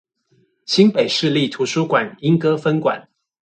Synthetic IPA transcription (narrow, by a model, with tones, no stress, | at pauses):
ɕi˥npe˨˩ɪʂɻ̩˥˧li˥˩t̪ʰu˧˥ʂu˥kwa˨˩ni˥ŋkɤ˥fə˥nkwa̰˨˩˦n